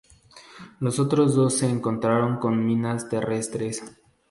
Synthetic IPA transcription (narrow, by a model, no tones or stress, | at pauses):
lo̞so̞t̪ɾo̞zðo̞sːe̞ːŋko̞nt̪ɾaɾo̞ŋko̞nmĩnast̪e̞re̞st̪ɾe̞s